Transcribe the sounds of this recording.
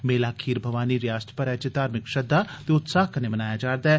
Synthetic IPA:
meːlaːkʰiːɾbʱɐʋaːniɾijaːst̪ʰpɐɾɛːt͡ʃed̪aːɾmɪkʃɐd̪ːat̪eʊt̪saːɦkɐnemɐnaːjad͡ʒaːɾd̪aɛ

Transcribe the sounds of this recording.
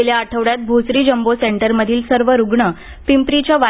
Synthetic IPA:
eljaːʈʰəʋɽjat̪̚bʱusɾiːd͡ʑəmboseɳʈəɾməd̪ʱiːlsəɾʋəɾuɡɳə | pimpɾit͡ɕaʋa

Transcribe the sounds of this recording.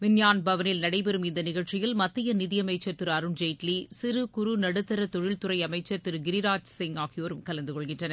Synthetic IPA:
ʋɪnjaːnbɐʋɐnɪlnɐɽɐɪpɛɾɯmɪnd̪ɐnɪɣɐɭt͡ʃɪjɪlmɐt̪ːɪjɐnɪðɪjɐmɐɪt͡ʃːɐt̪ːɯɾɐɾɯɳd͡ʒɐɪʈlisɪɾɯkʊɾunɐɽɯt̪ːɐɾɐt̪ɔɻɪlt̪ʊɾɐɪɐmɐɪt͡ʃːɐɾt̪ːɯɾɯɡɪɾɪɾaːd͡ʒsɪŋaːɣɪjoːɾɯmkɐlɐnd̪ɯkɔɭɣɪnʈrɐnɐ

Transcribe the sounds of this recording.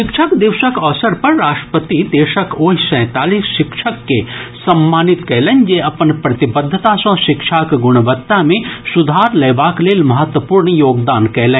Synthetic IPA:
ʃɪkʃʰəkd̪ɪʋʃəkɔːsəɾpɐɾːaːʃʈəpət̪id̪eːʃəkoːɦisɛ̃ːt̪aːliːsʃɪkʃʰəkːesɐmːaːnɪt̪kɛɦlẽnjeɐpənpɾɐt̪ɪbəd̪ʱːət̪asɐ̃ʃɪkʃʰaːkɡʊɽ̃əbət̪ːamẽsʊd̪ʱaːɾlɐːbaːkleːlmɐɦət̪wəpuːɾɳjoːɡd̪aːnkɛɦlẽː

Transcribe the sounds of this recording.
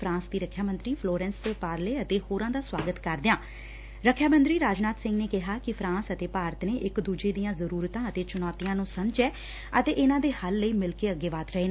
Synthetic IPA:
fʰɾãːsd̪iːɾəkʰjaːmənt̪ɾiːpʰloːɾɛ̃ːnsepaːɾleːət̪eːhoːɾãːd̪aːswaːɡət̪kəɾd̪ɪjãː | ɾəkʰːjaːmə̃nt̪ɾiːɾaːd͡ʒnaːt̪sɪ̃ŋɡneːkɪɦaːkɪpʰɾãːsət̪eːpaːɾət̪neːʔɪkd̪uːd͡ʒeːd̪ijãːzəɾuːɾt̪ãːət̪eːt͡ʃʊnɔːt̪ijãːnũːsəmd͡ʒɛː | ət̪eːʔɪnãːd̪eːhəlːəiːmɪlkeːəɡeːʋaːt̪ɾəɦeːnː

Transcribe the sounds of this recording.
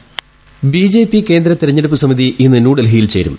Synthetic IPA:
bid͡ʑe̞ːpːike̞ːnd̪ɾɐt̪iɾɐɲːe̞ɽup̬ːɨsɐmiðiʔinːɨnuːɽɐlɦiːilt͡ɕe̞ːɾṵm

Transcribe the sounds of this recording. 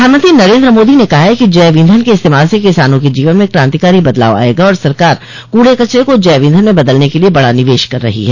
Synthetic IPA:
aːɾmə̃nt̪ɾinɐɾẽːnd̪ɾəmoːd̪inekɐɦaɦɛkid͡ʒɛːʋĩːnd̪ʱənkeɪst̪eːmaːlsekɪsaːnõked͡ʒiːʋənmẽkɾãːnt̪ikaːɾibɐd̪la̰ːʋa̰ːeɡaɔːɾsɐɾkaːɾ | kuːɽekɐt͡ʃɾekod͡ʒɛːʋɪ̃nd̪ʱənmẽbɐd̪əlnekeliebɐɽanɪʋeːʃkɐɾːɐ̰ɦḭɦɛː

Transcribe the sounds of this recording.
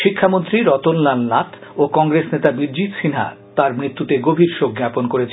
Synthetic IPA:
ʃikʰːamont̪ɾiɾɔt̪onlanːat̪ʰokɔŋɾesnet̪abiɾd͡ʑit̪ʃinɦa̰t̪aɾmɾit̪ːut̪eɡobʱiɾʃok̚ɡaponkoɾet͡ɕʰ

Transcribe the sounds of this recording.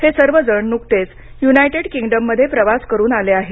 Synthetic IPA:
hesəɾʋəd͡zəɳnukt̪et͡s | junajʈeɽkiŋɡɖəmːəd̪ʱːjepɾəʋaskəɾuːnaleaɦe

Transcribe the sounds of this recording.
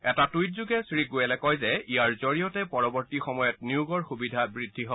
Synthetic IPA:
ɛtatujtzuɡɛsɹiɡojɛlɛkɔjzɛijaɹzoɹijɔtɛpɔɹɔbɔɹtixɔmɔjɔt̚niuɡɔɹxubidʱabɹidʱːiɦɔbɔ

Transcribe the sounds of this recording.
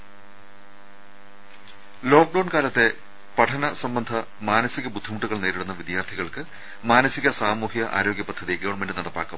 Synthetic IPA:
loːk̚ɖɐwɳkaːlɐt̪ːe̞ | pɐʈʰɐnɐsɐmbɐnd̪ʱɐ | maːnɐsiɣɐbud̪ʱːimuʈːuɣɐɭneːɾiɽunːɐʋid̪jaːrt̪ʰiɣɐɭkɨ | maːnɐsiɣɐsaːmuːɦiɣɐʔa̰ːɾoːɡjɐpɐd̪ʱːɐðiɡɐʋwɳmendɨnɐɽɐpːa̰ːkːɐm

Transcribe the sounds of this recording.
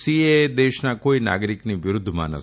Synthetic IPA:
siːed̪eːʃɐnakoːjina̰ːɡɐɾikniʋiɾud̪ʱːɐma̰ːnɐ̰

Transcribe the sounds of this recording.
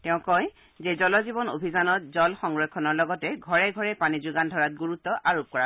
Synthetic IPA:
tɛʊ̃kɔj | zezɔlɔzibɔno̰bʱizanɔt̚zɔlxɔŋɡɹɔkʰːɔnɔɹlɔɡɔtɛɡʱɔɹɛɡʱɔɹɛpanizuɡandʱɔɹat̚ɡuɹutːɔʔʔaɹop̚kɔɹa

